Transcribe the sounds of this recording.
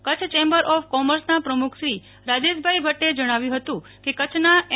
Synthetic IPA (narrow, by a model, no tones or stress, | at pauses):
kət͡ʃʰt͡ʃembəɾɔfkɔməɾsnapɾəmukʰʃɾi | ɾad͡ʒeʃbʱaibʱəʈed͡ʒəɽ̃aʋjũɦət̪ũ | kekət͡ʃʰna